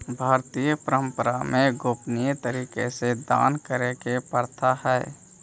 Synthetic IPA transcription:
bʱaːɾt̪ijəpəɾə̃mpəɾamẽɡoːpnijet̪əɾiːkesed̪a̰ːnkəɾekepəɾt̪ʰahɛː

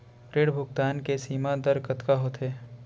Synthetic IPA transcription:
pɾeːɽbʱʊɡt̪aːnkesiːmad̪ɐɾkət̪kaɦot̪eː

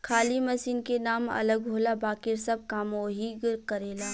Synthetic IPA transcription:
kʰaːlimɐsiːnkenaːmɐ̰ləɡ̚bʱoːlabaːkɪɾsɐb̚kaːmoɦiɡɾkəɾeːlaː

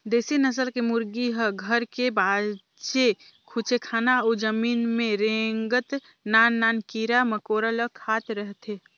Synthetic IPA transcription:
d̪eːsinəs̬əlkemʊɾɡiɦəɡʱəɾkebaː | t͡ʃe | kʰut͡ʃekʰaːnaoːd͡ʒəmiːnmẽɾẽːŋɡət̪ | naːnːaːnkiːɾaməkoːɾələkʰaːt̪ɾəɦt̪e

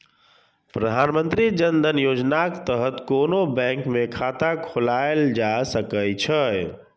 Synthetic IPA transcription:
pɾəd̪ʱanmənt̪ɾid͡ʒənd̪ʱənjod͡ʒnaket̪əɦət̪konobɛ̃ŋkmekʰat̪akʰolaeld͡ʒasəkəjt͡ʃʰəj

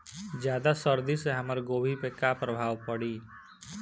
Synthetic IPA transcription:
d͡ʒjaːd̪asəɾd̪iseɦɐməɾɡoːbʱipekapɾəbʱaːʋpɐɽiː

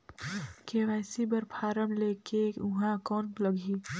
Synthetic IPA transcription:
keʋɛːsibəɾpʰaːɾəmleːkeʊɦãkɔːnlɐɡi

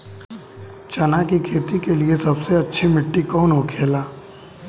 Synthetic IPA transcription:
t͡ʃɐnakikʰeːt̪ikeliesɐbseɐtːʃʰimɪʈːikɔːnɦokʰeːlaː

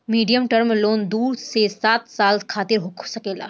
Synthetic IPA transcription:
miːɖijəmʈəɾmloːnd̪uːɾsesaːt̪saːlkʰaːt̪ɪɾɦokʰsɐkeːla̰ː

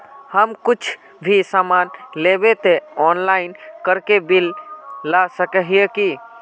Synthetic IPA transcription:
həmkʊt͡ʃʰ | bʱisamanlebet̪eɔnlaɪnkəɾkebilːasəkəɦijeki

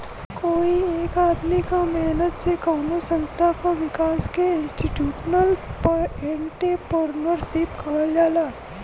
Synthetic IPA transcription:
koːieːkaːd̪mikamɛːnət̪sekaːnosə̃nst̪ʰakoʋɪkaːskeɪ̃nsʈiʈjuːʃnəlpəɾẽɳʈepəɾnəɾʃɪpkʰald͡ʒaːlaː

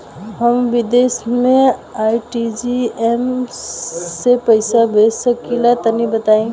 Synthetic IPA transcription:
ɦəmʋid̪esmẽajʈid͡ʒiem | sepəɪsabʱesəkilat̪ənibət̪aẽ

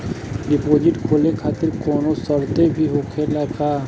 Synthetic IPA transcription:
ɖɪpoːd͡ʒɪʈkʰoːlẽkʰaːt̪ɪɾkɔːnosəɾt̪ebʱiɦoːkʰelakaː

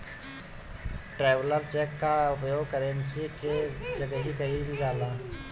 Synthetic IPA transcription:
ʈɾeːʋləɾt͡ʃɛːkːaʊpjoːɡkəɾənsiked͡ʒəɡəɦikɐɦild͡ʒaːlaː

